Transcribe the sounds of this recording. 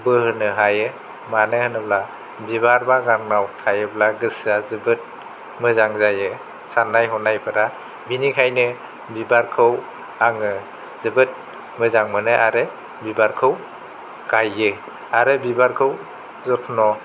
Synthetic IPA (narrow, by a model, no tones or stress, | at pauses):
bɯhɯnɯɦajɯ | manɯhɯnɯbla | biβaɾbaɡaŋnawtʰajɯblaɡɯsazɯbɯt̚ | mɯzaŋzajɯ | sanːajɦɔnajpʰɯɾa | binikʰajnɯ | bibaɾkʰɯw | aŋɯ | z̥ɯbɯt̚ | mɯzaŋmɯnɯʔaɾɯ | bibaɾkʰɯw | ɡ̥ajːɯ | aɾɯbibaɾkʰɯw | zɔpʰnɔ